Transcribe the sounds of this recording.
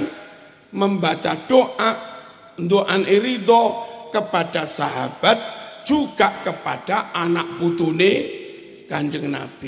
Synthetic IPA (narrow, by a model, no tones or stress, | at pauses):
n | məmbatad̥oʔaʔ | nd̪oʔanʔeɾit̪ɔkəpaɖ̥asaɦa̰b̥at̪̚d͡ʒ̥uɡ̥aʔkəpaɖ̥aanaʔput̪une | ɡ̥aɲd͡ʒəŋna̰b̥i